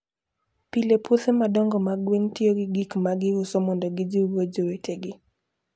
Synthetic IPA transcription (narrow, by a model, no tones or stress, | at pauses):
pilepʰutemadɔŋɡɔmaɡwentioɡɪɡikmaɡɪʊsɔmɔndɔɡɪd͡ʒiwod͡ʒoweteɡɪ